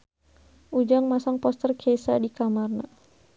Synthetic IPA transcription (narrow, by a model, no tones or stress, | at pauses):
ʔud͡ʒaŋmasaŋpɔst̪ərkʰesadikamarna